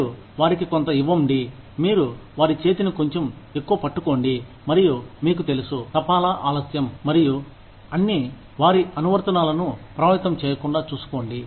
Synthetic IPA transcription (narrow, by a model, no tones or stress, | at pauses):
u | ʋaːɾikikont̪ɐiʋːɐmɖi | miːɾuʋaːɾit͡ʃe̞ːt̪iniko̞ɲt͡ʃome̞kːuʋɐpɐʈːuko̞ːɳɖi | mɐɾijumiːk̬ut̪e̞lusut̪ɐpaːlɐʔaːlɐsjɐmːɐɾiju | ɐnːi | ʋaːɾiʔɐnuʋɐɾt̪ɐnaːlɐnupɾɐʋɐjt̪ɐmt͡ʃɛːjɐkuɳɖaːt͡ʃuːsu̥ko̞ːɳɖi